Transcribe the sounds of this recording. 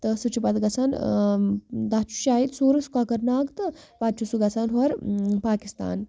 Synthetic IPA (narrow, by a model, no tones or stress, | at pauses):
t̪ɐsɨt͡ʃʰupɐt̪ɡɐt͡saːn | d̪at͡ʃʰu̥ʃaːit̪suːɾɐsu̥kakɐɾnaːkt̪ɨpad̪̚t͡ʃʰusuɡɐsʰaːnɦuɐɾpaːkist̪a̰ːn